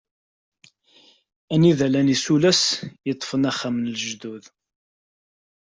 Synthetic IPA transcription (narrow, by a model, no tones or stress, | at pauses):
æniðælænisulæsjət̪ˤːfənæχæmnəlʒd̪uð